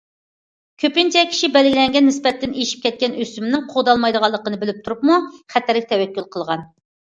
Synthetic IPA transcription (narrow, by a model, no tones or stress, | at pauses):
kʲʰøpnt͡ʃʰɛkʲʰi̥ʃibɛlɪɡʲilɛŋɡʲɛnːɪspɛt̪ːɪneʃi̥p̚kʲɛt̪̚kʲɛnøsymɪnɪŋqʰod̪ɑlˠmɑjd̪əʁɑlˠːəqənɨbɪlyp̚t̪ʰuɾup̚muχæt̪ʰæɾɪk̚ʲt̪ʰɛwɛkʲːylˠqʰəlˠʁɑn